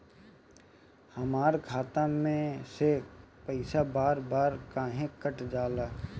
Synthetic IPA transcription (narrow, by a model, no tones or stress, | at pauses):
həmaːɾkʰaːt̪amẽsepəɪsabaːɾbaːɾkaːɦẽkəʈd͡ʒaːlaː